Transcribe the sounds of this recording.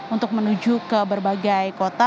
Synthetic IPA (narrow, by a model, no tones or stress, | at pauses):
unt̪ʊk̚mənud͡ʒukəbərbaɡajkot̪a